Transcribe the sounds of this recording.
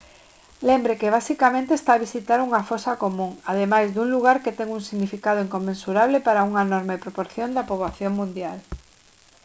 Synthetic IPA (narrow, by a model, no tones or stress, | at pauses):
lembɾekeβ̞asikamẽnt̪eːst̪aːβisit̪aɾuŋɐfosakomũŋað̞emajzðuŋluɣ̞aɾket̪ɛŋuŋsiɣnifikaðoiŋkomːẽnsuɾaβ̞lepaɾauŋaenɔɾmepɾopoɾθjond̪ɐpoβaθjoŋmũnd̪jal